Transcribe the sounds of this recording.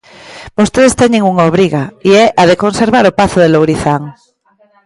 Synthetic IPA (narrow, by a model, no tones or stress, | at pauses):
b̥ost̪eðest̪eɲeŋuŋaoβɾiɣaiɛʔaðeko̞nseɾβaɾopaθoðelowɾiθaŋ